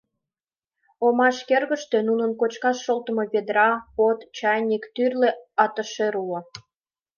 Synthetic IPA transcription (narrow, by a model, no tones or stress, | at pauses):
omɑʃkerɣə̆ʃt̪ønunənkot͡ɕkɑʃːolt̪ə̆moβed̪ɾɑpot̪t͡ɕɑjnʲikt̪yrleɑt̪əʃeɾuo